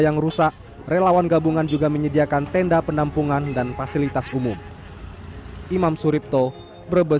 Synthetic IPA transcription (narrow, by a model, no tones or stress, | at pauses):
jaŋrusaʔ | relawanɡabuŋand͡ʒuɡaməɲədiakant̪ɛndapəndampuŋandanfasilit̪asumum | ʔimamsuɾip̚t̪ɔ | bəɾbə